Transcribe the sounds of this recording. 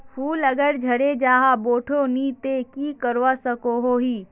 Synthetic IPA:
fʰuːləɡəɽd͡ʒʱəɽed͡ʒaːɦaboːʈʰonit̪ekiːkəɾʋasəkoɦoɦiː

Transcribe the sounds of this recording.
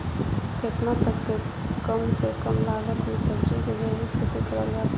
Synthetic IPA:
kɪt̪nat̪əkːe | kəmsekəmlaːɡət̪misəbd͡ʒiked͡ʒebikʰet̪ikəɾəlɡas

